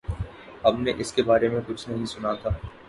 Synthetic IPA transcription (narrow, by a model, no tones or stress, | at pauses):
ɐbneʔɪskebaːɾemẽkʊt͡ʃʰnɐɦĩsʊnat̪ʰaː